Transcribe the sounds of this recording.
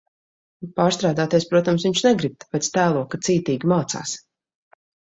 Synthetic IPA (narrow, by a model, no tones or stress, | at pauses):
paːɾst̪ɾaːd̪aːt̪ʲiɛspɾuɔt̪amsviɲʃnɛɡɾib̚t̪pɛt̪st̪æːlˠuɔkasiːt̪iːɡʲimaːt̪sa̰ːs